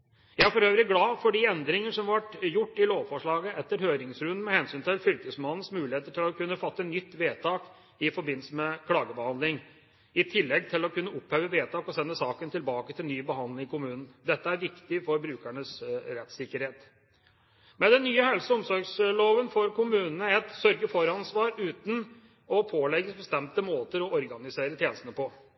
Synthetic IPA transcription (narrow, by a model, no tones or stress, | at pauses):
jæɪæɾfɔɾøːʋɾɪɡlɑːfɔɖiːɛnd̪ɾɪŋəʂɔmʋɑʈjʊʈːɪloːʋfɔʂɭɑːɡəɛt̪ːəɾhøːɾɪŋsɾʉnmɛhɛnsyːnt̪ʰɪlfʏlt̪əsmɑnn̩smʉːlɪheːt̪əʈʰɪlɔkʉnːəfɑt̪ːənʏt̪ːʋeːt̪ʰɑːk | ɪfɔɾbɪnl̩səmɛkʰlɑːɡəbəhɑnd̪lɪŋ | ɪt̪ʰɪlːɛɡ̚t̪ʰɪlɔkʉnːəʊpheːʋəʋeːt̪ʰɑːkɔsɛnːəsɑːkənt̪ʰɪlbɑːkət̪ʰɪlnyːbəhɑnd̪ɪŋɪkʊmʉːnn̩d̪ɛt̪ːəæɾʋɪkt̪ɪfɔɾbɾʉːkæɳəsɾɛt̪sɪkːəɾheːt̪ | mɛd̪ɛnːyːəhɛlsəɔmsɔɾɡsloːʋənfɔɾkʊmʉːnənəɛt̪sœɾɡəfɔɾɑnsʋɑːɾʉːt̪n | ɔpʰoːlɛɡːəsbəst̪ɛmt̪əmoːt̪əɾɔʔɔɾɡɑnɪseːɾət̪ʰjeːnəst̪nəpʰɔ